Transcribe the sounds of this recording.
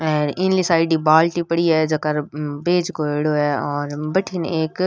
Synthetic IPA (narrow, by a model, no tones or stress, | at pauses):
ɛːɾɪ̃nlisaːɪɖibaːlʈipɐɽiɦɛːd͡ʒɐkɐɾbeːd͡ʒkoeːɽoɛːɔːɾbɐʈʰineːk